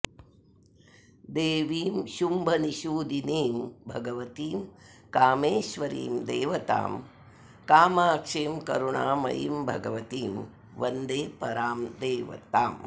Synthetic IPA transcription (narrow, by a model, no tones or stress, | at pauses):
d̪eːʋiːmʃumbʱɐniʃuːd̪ineːmbʱɐɡɐʋɐt̪iːmkaːmeːʃʋɐɾḭːmd̪ḛːʋɐt̪a̰ːm | kaːmaːkʂeːmkɐ̰ɾuɳaːmɐ̰jḭmbʱɐɡɐʋɐt̪iːm | ʋɐnd̪eːpɐɾaːmd̪eːʋɐ̰t̪aːm